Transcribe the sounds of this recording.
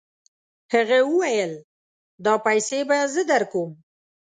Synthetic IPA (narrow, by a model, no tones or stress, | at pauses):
həɣawəwajəl | d̪ɑpajsebazəd̪aɾkom